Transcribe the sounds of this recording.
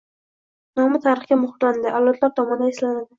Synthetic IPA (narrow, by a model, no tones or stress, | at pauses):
nɒmɪt̪ʰaɾɨχɡʲamʊχɾland̪ɪʔawlat̪ʰlaɾt̪ʰɒmɒnd̪aeslanad̪ɪ